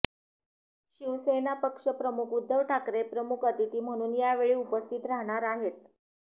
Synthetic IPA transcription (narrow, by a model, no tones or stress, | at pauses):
ɕiʋsenapəkʂəpɾəmukud̪ʱːəʋʈʰakɾepɾəmukət̪it̪iːm̤əɽ̃uːnjaʋeɭiːupəst̪ʰit̪ɾaɦɽ̃aɾaɦet̪̚